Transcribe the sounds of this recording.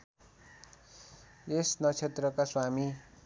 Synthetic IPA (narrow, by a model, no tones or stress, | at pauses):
esnʌt͡sʰet̪rʌkaswami